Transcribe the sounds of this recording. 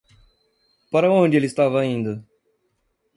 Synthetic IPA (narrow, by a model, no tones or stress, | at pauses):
paɾɐõnd͡ʒɪelɪst̪avɐĩnd̪ʊ